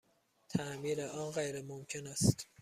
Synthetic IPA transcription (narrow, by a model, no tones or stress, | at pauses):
t̪ʰæmiːɾeʔɒːnɢejɾemomcʰenæst̪